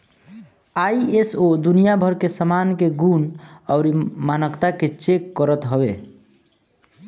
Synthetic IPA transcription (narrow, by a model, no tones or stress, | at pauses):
aiesod̪unijabʱəɾkesəmankeɡunɔʊɾimanəkt̪aket͡ʃekːəɾət̪ɦɔbe